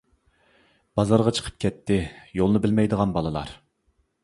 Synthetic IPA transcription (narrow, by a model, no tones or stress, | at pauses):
b̥ɑzɑɾʁɑt͡ʃʰə̥qʰə̥p̚kʲʰɛt̪ʰːɪjolˠnɨbɪlmɛjd̪əʁɑnbɑlˠɨlˠɑ̰ɾ